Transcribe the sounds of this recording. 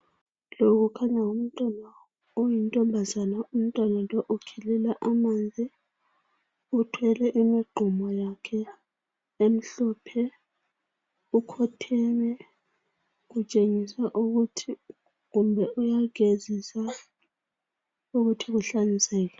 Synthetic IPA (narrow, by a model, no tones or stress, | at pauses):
loɣukʰaɲaum̩tʼɔna | ojintʼɔmbʱazanaum̩tʼwanalɔʔukʰɛlɛlaʔamand͡zʱi | utʰwɛlɛʔimiɡ͡ǃʱumɔjakʰɛ | em̩ɬɔpʰɛ | ukʰɔtʰɛmɛ | ɣut͡ʃʼeŋisaʔuɣutʰi | ɣumbʱɛʔujaɡezisa | uɣutʰiɣuɬanisɛːkɛ